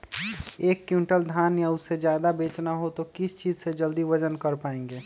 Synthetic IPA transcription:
eːkːjuɳʈəld̪ʱaːnjaʊsed͡ʒjaːd̪abeːt͡ʃnaɦot̪okɪst͡ʃiːd͡ʒsed͡ʒəld̪iʋəd͡ʒənkəɾpaːẽːŋɡeː

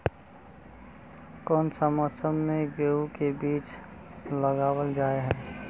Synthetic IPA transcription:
kɔːnsəməsəmːẽɡeukebiːt͡ʃləɡaːwəld͡ʒaːeɦɛː

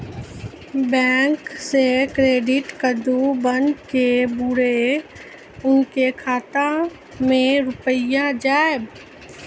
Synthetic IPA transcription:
bɛ̃ːŋksekɾeːɖɪʈkəd̪ubənɖkebuɽe | ʊnkekʰaːt̪ã | mẽɾʊpəjãd͡ʒaːɪb

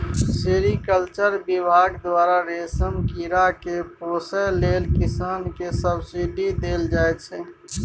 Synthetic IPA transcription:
seɾikəlt͡ʃəɾbibʱaːɡd̪waːɾaɾeːsəmkiɾakepoːsəleːlkɪsaːnkesəbsiɖid̪eːld͡ʒaːɛt͡ʃʰɛ

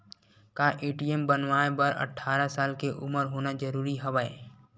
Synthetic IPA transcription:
kaːʔeːʈiembənʋaːebəɾə̰ʈʰaːɾasaːlkeʔʊməɾɦoːnad͡ʒəɾuːɾiɦəʋaːe

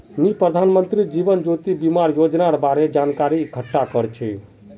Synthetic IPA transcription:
mipɾəd̪ʱanmənt̪ɾid͡ʒibənd͡ʒot̪ibimaɾjod͡ʒnaɾbaɾed͡ʒankaɾiɡʱəʈːakəɾt͡ʃʰi

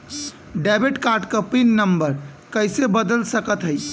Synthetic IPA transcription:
ɖɛbeʈkaɾʈkəpinːəmbəɾ | kəjsebəd̪əlsəkət̪ɦəj

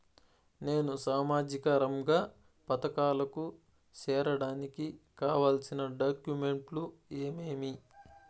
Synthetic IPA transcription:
ne̞ːnusaːmaːd͡ʒikɐɾɐmɡaː | pɐt̪ɐkaːlɐku | t͡ʃɛːɾɐɽaːnikikaːʋaːlsinɐɖaːkjume̞ɳʈlueːmeːmi

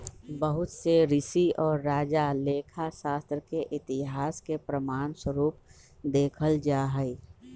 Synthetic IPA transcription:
bəɦʊt̪seɾɪsiɔːɾːaːd͡ʒaleːkʰaʃaːst̪ɾkeʔɪt̪ɪɦaːskepɾəmaːnswəɾuːp̚ | d̪eːkʰəld͡ʒaːɦɛi

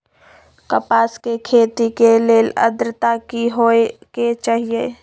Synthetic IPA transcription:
kəpaːskekʰeːt̪ikeleːlə̰d̪ɾət̪akiɦoeket͡ʃaːɦije

